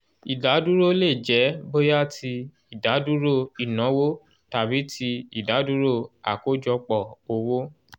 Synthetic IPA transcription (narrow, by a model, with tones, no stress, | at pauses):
i˨da˨˦du˦ɾo˦le˦˨d͡ʒɛ˨˦bo˦ja˦˨tʰi˧ | i˨da˨˦du˦ɾo˦˨i˨nɔ̃˨˦wo˦ | ta˨bi˨˦tʰi˧i˨da˨˦du˦ɾo˦˨a̰˨ko˨˦d͡ʒɔ˧k͡pɔ˦˨o˧wo˦